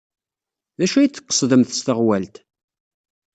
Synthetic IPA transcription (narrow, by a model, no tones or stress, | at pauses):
ðæʃuæjit͡sːə̥qːə̥sˤðəmθst̪əʁwælt̪